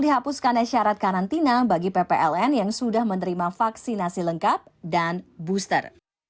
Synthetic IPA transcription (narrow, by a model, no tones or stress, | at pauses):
diɦapuskanaʃaɾat̪̚kaɾant̪inabaɡipepeʔɛlɛnjaŋsudahmənəɾimafaksinasiləŋkap̚danbust̪ə̰r